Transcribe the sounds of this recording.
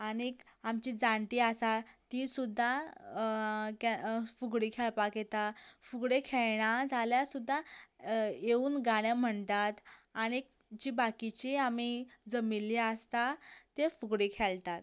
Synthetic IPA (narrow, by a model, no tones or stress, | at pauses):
aɽ̃ik | amt͡ɕid͡zãɳʈ̪iːasat̪ĩsud̪ʱːa | kafuɡɽikʰɛɭpaket̪afuɡɽekʰeɭɳad͡zʱaljasud̪ʱːa | jeuːnɡaɽjam̤əɳt̪at̪aɽ̃ik | d͡ʑiːbakit͡ɕiamid͡zəmilːiəst̪at̪efuɡɽekʰɛɭt̪at̪